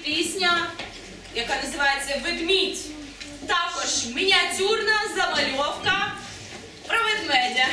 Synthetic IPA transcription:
pʲisʲnʲɐ | jɐkanɐzɨʋajet̪sɐʋɪɡ̪mʲitʲ | t̪akɔʒminʲɐtʲurnɐzɐmɐlʲɔwkɐ | pɾɐʋɪd̪nɛnʲɐ

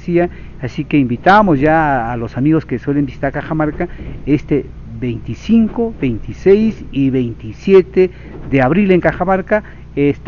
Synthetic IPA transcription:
sia | asikeimbit̪amosjaːlosamiɣoskeswelembisi̥t̪aɾkaxamaɾkaest̪e | βejnt̪isiŋkobejnt̪isejsiβejnt̪isjet̪e | ðeaβɾileŋkaxamaɾka | est̪

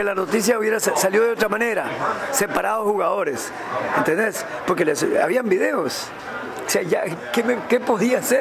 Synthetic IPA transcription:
elanot̪is̬jauβjeɾassaljo̞ðeo̞t̪̬ɾamãneɾasepaɾaðoxuɣaðo̞ɾes | ent̪end̪espo̞ɾkelesa̰βiambiðe̞os | seaʝa̰kemekepo̞ðiase

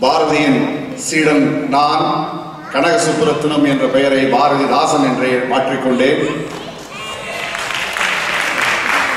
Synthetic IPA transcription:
baːɾɐðɪjɪn | siːɽɐnnaːn | kɐɳɐɣɐsʊpːʊɾɐt̪ːɯnɐmɛndrɐpɛjɐɾɐɪbaːɾɐðid̪aːsɐmɛndreːmaːʈrɪkːɔɳɖeːn

